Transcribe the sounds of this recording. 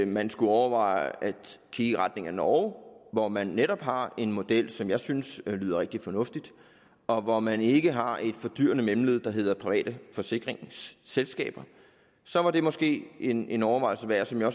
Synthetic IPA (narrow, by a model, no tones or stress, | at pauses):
mænsɡ̥uɒʊɐʋɑ̰̈ɪæd̥kʰiːʁad̥ne̝ŋɐnɒʊʋɒmænːeɾɒ̽b̥ɦɑ̈e̝nmo̝d̥el̰sɒ̽mjɑ̈ɪsynslyːðˠɐʁeɡ̥̚d̥ifɒ̽nɔ̽fd̥id̥ | ɒ̽ʋɒmæne̝ɡ̥əɦɑ̈e̝d̥fɒ̽d̥y̰ːɐnəmemleðˠd̥ɑ̈ɦe̝ð̰ˠɐpʰʁiʋɛ̰ːd̥əfɒ̽se̝ɡ̥ʁeŋsːelsɡ̥ɛ̰ːb̥ɐ | sɒ̽ʋɑ̈d̥e̝mɒ̽sɡ̥e̝̰ːe̝ne̝nɒʊɐʋɑ̈ɪlsəʋæɐsɒmjɑ̈ɒ̽s